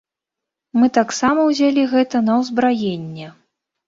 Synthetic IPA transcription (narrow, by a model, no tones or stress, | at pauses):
mɨt̪aksamɐwzʲalʲiɣɛt̪ɐnɐwzbɾajenʲːɛ